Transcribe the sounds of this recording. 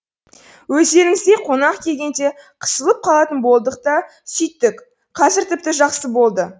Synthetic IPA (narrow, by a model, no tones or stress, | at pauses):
wɵzd̪e̞ɾɪŋɪzd̪e̞jqʰo̞nɑqkʲʰe̞lɡʲe̞nd̪e̞qʰə̥səlˠəp̚qʰɑlˠɑt̪ənbo̞lˠd̪əq̚t̪ɑ | sʏjt̪ːɪk | qʰɑzɪɾt̪ʰɪp̚t̪ɪʒɑqsəbo̞lˠd̪ə